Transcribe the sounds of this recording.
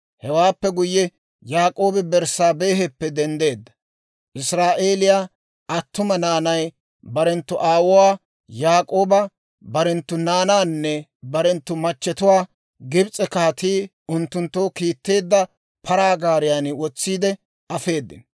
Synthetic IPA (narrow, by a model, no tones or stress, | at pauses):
hɛwaːpːɛɡʊjːɛ | jaːkʼo̞ːbɛbɛɾsaːbe̞ːɦɛpːɛd̪ɛnd̪e̞ːd̪ːɐ̥ | ʔɪsɾaːʔe̞ːlɪjaː | ɐt̪ːʊmɐnaːnɐj | bɐɾɛnt̪ːʊʔaːwʊwaː | jaːkʼo̞ːbɐ | bɐɾɛnt̪ːʊnaːnaːnːɛbɐɾɛnt̪ːʊmɐt͡ʃːɛt̪ʊwaː | ɡɪbt͡sʼɛkaːt̪iː | ʊnt̪ːʊnt̪ːoːkiːt̪ːe̞ːd̪ːɐ | pʰɐɾaːɡaːɾɪjaːnɪwɔt͡sːiːd̪ɛ | ɐfe̞ːd̪ːɪ̰n